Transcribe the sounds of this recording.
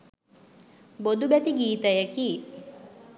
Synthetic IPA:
bod̪ubɛt̪iɡiːt̪əjəki

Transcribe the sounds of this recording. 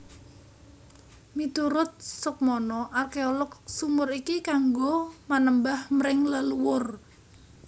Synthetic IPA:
mit̪uɾʊt̪̚sʊk̚mɔnɔʔarkeolɔksumʊrikikaŋɡomanəmbahmɾɪŋləluwʊr

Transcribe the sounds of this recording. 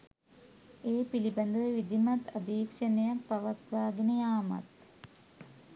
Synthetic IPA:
eːpilibɐnd̪əʋʋid̪imɐt̪ɐd̪iːkʂɐnejak̚pɐʋɐt̪ʋaːɡinəjaːma̰t̪

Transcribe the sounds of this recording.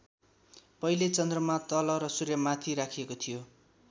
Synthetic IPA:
pʌilet͡sʌnd̪rʌmat̪ʌlʌɾʌsuɾjʌmat̪ʰiɾakʰiekot̪ʰijo

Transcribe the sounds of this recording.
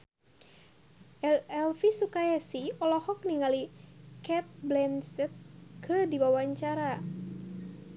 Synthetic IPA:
ʔɛɛlfisukajasiɔlɔhɔk̚niŋalikɛp̚blɛnsɛt̪̚kʰədiwawaɲt͡ʃaɾa

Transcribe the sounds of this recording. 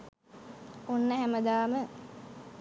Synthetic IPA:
onːəɦæməd̪aːmə

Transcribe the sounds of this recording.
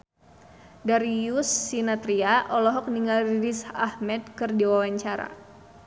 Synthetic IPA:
daɾijusːinat̪ɾiaʔɔlɔɦɔk̚niŋɡaliɾisahmɛt̪̚kɨrdiwawaɲt͡ʃaɾa̰

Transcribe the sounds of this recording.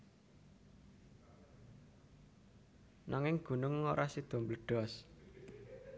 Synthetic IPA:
naŋɪŋɡ̥ṳnʊŋːoɾʔasid̪̥o̤mbələɖ̥ɔs

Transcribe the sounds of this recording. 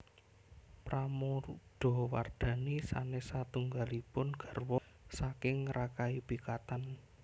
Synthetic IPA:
pɾamoɖ̪̥ɔ̤wa̰rd̪̥ä̤nisa̰nesat̪uŋɡalipʊnɡ̥a̤rwɔ | sakɪŋrakaib̥i̤kat̪an

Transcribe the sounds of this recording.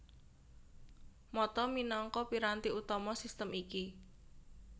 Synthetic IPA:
mɔt̪ɔminɔŋkɔpiɾant̪iut̪ɔmɔsist̪əmiki

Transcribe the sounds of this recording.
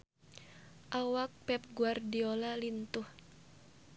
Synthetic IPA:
ʔawak̚pɛp̚ɡuardiolalint̪ʊh

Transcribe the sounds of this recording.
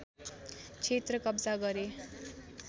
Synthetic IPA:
t͡sʰet̪rʌkʌbd͡zaɡʌɾe

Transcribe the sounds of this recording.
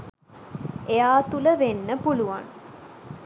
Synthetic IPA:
ejaːt̪uləʋenːəpuluʋa̰n

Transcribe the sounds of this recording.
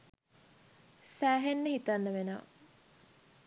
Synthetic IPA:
sæːɦenːəhit̪anːəʋena̰ː

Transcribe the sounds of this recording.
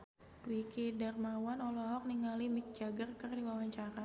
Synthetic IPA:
buikidarmawanɔlɔɦɔk̚niŋalimik̚d͡ʒaɡərkərdiwawaɲt͡ʃaɾa

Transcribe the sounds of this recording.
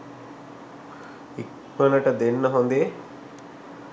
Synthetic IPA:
ik | mɐnɐʈɐd̪enːɐɦond̪e

